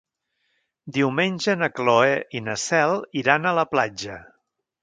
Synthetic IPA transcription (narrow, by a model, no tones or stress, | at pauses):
d̪iwmenʲʒənəkloeʔinəsɛlˠiɾanələplad͡ʒə